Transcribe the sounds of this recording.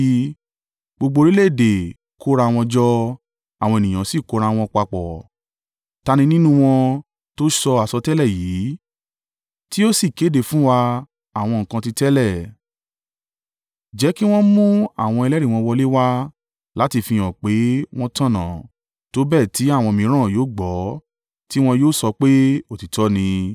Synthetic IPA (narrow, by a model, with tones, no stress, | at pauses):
ɡ͡bo˧ɡ͡bo˧ɾi˦le˦˨de˨ | kʰo˦ɾa˧˨˧w̃ɔ̃˧d͡ʒɔ˧ | a˨wɔ̃˧e˨nĩ˨j̃ã˨˦si˦˨ko˨˦ɾa˧w̃ɔ̃˧k͡pa˧k͡pɔ˨ | ta˧nĩ˧nĩ˦nũ˦w̃ɔ̃˧ | to˦ʃɔ˧a˨sɔ˧tɛ˦lɛ˦˨jiː˨˦ | ti˦o˦si˦˨ke˨˦de˧˨fũ˦wa˧ | a˨w̃ɔ̃˧ŋ̩˨kã˧ti˧tɛ˦lɛ˦˨ | d͡ʒɛ˨˦ki˦w̃ɔ̃˦mũ˦a̰˦˨w̃ɔ̃˧ɛ˧lɛ˦ɾi˦˨w̃ɔ̃˧wɔ˧le˦wa˦ | la˦ti˧fĩ˧j̃ɔ̃˨k͡pe˨˦w̃ɔ̃˦tã˦˨nã̰˨ | to˨˦bɛː˦˨ti˨˦a˦˨wɔ̃˧mĩ˨˦ɾ̃ã˦˨joː˨˦ɡ͡bɔ˨˦ | ti˦w̃ɔ̃˧joː˦˨sɔ˧k͡pe˦o˦˨ti˨tɔ˦nĩ˧